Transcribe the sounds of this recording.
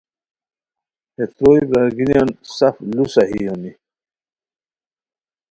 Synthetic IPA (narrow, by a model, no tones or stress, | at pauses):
het̪ɾojbaɡinjansaflusaɦijoni